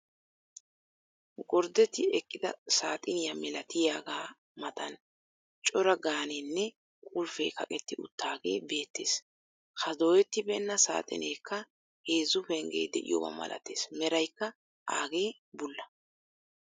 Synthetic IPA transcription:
ɡɔɾd̪ɛt̪ːɪɛkʼːɪd̪ɐ̰saːt̪ʼɪnɪjamɛlɐt̪ɪjaːɡaː | mɐt̪ɐn | t͡ʃʼɔɾɐɡaːneːnːɛ | kʼʊlfeːkɐ̰kʼɛt̪ːɪʊ̰t̪ːaːɡe̞̰ːbe̞ːt̪ːe̞ːs | kɐd̪oːjɛt̪ːɪbɛnːɐsa̰ːt̪ʼɪ̰neːkʰːɐ | he̞ːzʊfɛŋɡḛːd̪ɛʔɪ̰jo̰wɐ̰mɐ̰lʔɐ̰t̪e̞̰ːsmɛɾɐjkːɐ | ʔa̰ːɡe̞ː | bʊlːɐ

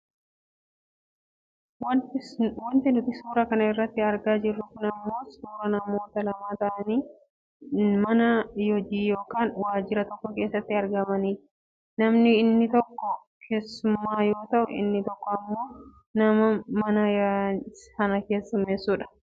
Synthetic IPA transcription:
w | wɐnt̪ɪnʊt̪ɪsuːɾɐkɐnɐɪrːɐt̪ːɪɐɾɡaːd͡ʒɪrːʊkʊnɐmːo̞ːsuːɾɐnɐmo̞ːt̪ɐlɐmaːt̪ɐʔɐniː | mɐnɐjɔd͡ʒiːjoːkaːnwaːd͡ʒɪɾɐt̪ɔkːɔke̞ːsːɐt̪ːɪɐɾɡɐmɐniː | nɐmnɪːnːɪt̪ɔkːɔ | kʰeːsːʊmːaːjo̞ːt̪ɐʔʊ̰ʔɪ̰nːɪt̪ɔkːɔɐmːo̞ː | nɐmɐmɐnɐjahɐnɐke̞ːsːʊmeːsːuːᶑɐ̥

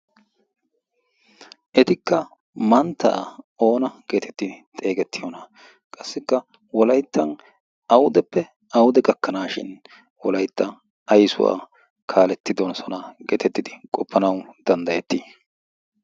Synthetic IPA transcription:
ʔɛt̪ɪkːɐ | mɐnt̪ːa̰ːo̞ːnɐɡ̥e̞ːt̪ɛt̪ːɪt̪ʼe̞ːɡɛt̪ʰːɪjɔnɐ | kʼɐsːɪkːɐ | wɔlɐjt̪ːɐn | ɐwʊd̪ɛpːɛ | ɐwʊd̪ɛɡʼɐkːɐnaːʃɪ̰n | wɔlɐjt̪ːɐ | ɐjsʊ̰wa̰ː | kʰaːlɛt̪ːɪd̪ɔnsɔnɐɡeːt̪ɛt̪ːɪd̪ɪkʼɔpʰːɐnɐwd̪̥ɐnd̪ɐjɛt̪ːi

